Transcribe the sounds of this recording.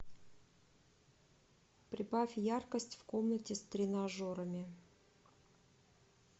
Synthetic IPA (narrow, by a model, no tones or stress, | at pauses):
pɾʲɪbafʲjarkəsʲtʲfko̞mnətʲɪst̪ɾʲɪnɐʐoɾəmʲɪ